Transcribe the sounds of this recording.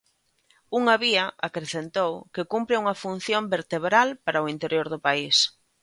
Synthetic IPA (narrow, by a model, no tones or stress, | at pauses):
uŋaβiaʔakɾeθent̪owkɪkumpɾɪuŋɐfun̟θjombeɾt̪eβɾalpaɾaʊint̪eɾjoɾðʊpais